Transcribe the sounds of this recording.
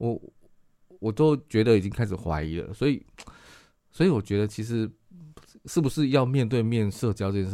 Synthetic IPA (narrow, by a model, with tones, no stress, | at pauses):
wɔ˨˩ | wɔ˨˩t̪o˥ʊt͡ɕɥɛ˧˥d̪ə˨i˨˩t͡ɕi˦ŋkʰa˥ɪʂ̩˨˩xwa̰˧˥ɪi˧˥lə̰˨swɔ˧˥i˨˩ | swɔ˧˥i˨wɔ˨˩t͡ɕɥɛ˧˥d̪ə˧t͡ɕʰi˧˥ʂ̬ɻ̩˧˥ | ʂɻ̩˥˩bu˨˩ʂɻ̩˥˧jɑ˥˧ʊmjɛ˥˧nt̪we˥˧ɪmjɛ˥˧nʂɤ˥˧t͡ɕjɑ˥ʊt͡ɕ